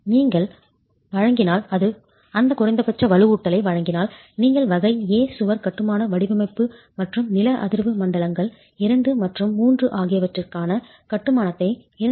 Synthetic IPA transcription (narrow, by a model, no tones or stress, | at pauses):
niːŋɡɐɭ | ʋɐɻɐŋɡɪnaːlɐðɯ | ɐnd̪ɐkʊrɐɪnd̪ɐpɐt͡ʃːɐʋɐlɯuːʈːɐlɐɪʋɐɻɐŋɡɪnaːl | niːŋɡɐɭʋɐɣɐɪeːsʊʋɐɾkɐʈːɯmaːnɐʋɐɽɪbɐmɐɪpːɯ | mɐʈrɯmnɪlɐʔɐ̰ðɪɾʋɯmɐɳɖɐɭɐŋɡɐɭ | ɪɾɐɳɖɯmɐʈrɯmːuːndrɯʔaːɣɪjɐʋɐʈrɪrkaːnɐ | kɐʈːɯmaːnɐt̪ːɐɪ | ɪɾɐ